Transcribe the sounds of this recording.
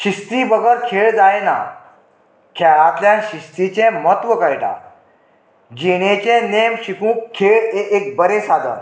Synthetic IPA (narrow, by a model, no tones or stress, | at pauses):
ɕist̪ibəɡəɾkʰeɭd͡zajna̰ | kʰɛɭat̪ljãɕist̪it͡ɕẽmət̪ʋəkəjʈa̰ | d͡ʑiɽ̃ẽt͡ɕẽnemɕikũːkʰːeɭeek̚bəɾesad̪ʱə̰n